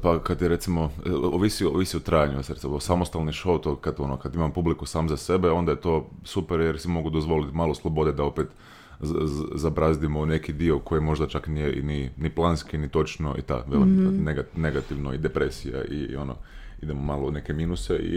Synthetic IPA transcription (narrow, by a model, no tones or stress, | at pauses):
pakad̪jeɾe̞t̪simo̞oʋisioʋisiot̪ɾaːjaɲujasɾet̪sosamost̪alniʃout̪okad̪o̞nokad̪imampublikusaːmzase̞beo̞nd̪ajet̪o̞ːsupeɾjeɾsimo̞ɡud̪ozʋo̞lit̪maːlˠoslˠobo̞d̪ed̪ao̞peːt̪ | zabɾazd̪imone̞kid̪io̞kojimo̞ʒd̪at͡ʃaknijeḭniniplˠanskinit̪o̞t͡ʃno̞̰ʔḭt̪a̰ʋelikneɡatneɡat̪iʋno̰id̪epɾesija̰ḭo̞no̰id̪emomalˠoune̞kemiːnuseḭ